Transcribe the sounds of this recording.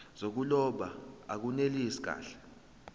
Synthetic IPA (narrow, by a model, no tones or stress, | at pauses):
z̥ok̬ulɔɓaak̬uneliisi̥k̬a̰ːɬɛ̥